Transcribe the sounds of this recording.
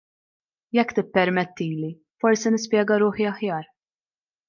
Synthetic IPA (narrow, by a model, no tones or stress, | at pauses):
jɛkːt̪ɪpːɛɾmɛt̪ːiːli | fɔɾsinɪspjɛːɡɐɾʊːħiɐħjɐːɾ